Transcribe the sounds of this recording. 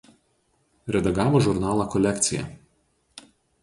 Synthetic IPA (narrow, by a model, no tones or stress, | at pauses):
ɾʲɛd̪ɐɡɑːʋoːʒʊɾnɑːlˠɑˑkɔlʲɛkʲt̪sʲɪjɛ̰ˑ